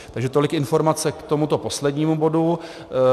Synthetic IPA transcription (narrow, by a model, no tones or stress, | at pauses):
t̪aɡʒɛt̪o̞lɪkɪnfo̞ɾmat͡sɛkt̪o̞mut̪o̞po̞slɛdɲiːmubo̞du